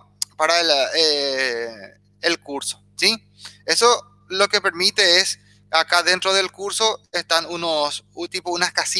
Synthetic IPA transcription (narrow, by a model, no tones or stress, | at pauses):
paɾale | elkuɾso | si | e̞so | lo̞ke̞peɾmit̪e̞es | akaðe̞nt̪ɾoð̞e̞lkuɾso̞est̪anunost̪ipounaskasi